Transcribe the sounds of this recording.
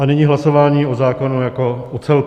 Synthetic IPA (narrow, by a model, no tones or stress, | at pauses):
anɛɲiɦlaso̞vaːɲiːʔozaːko̞nujako̞ʔot͡sɛl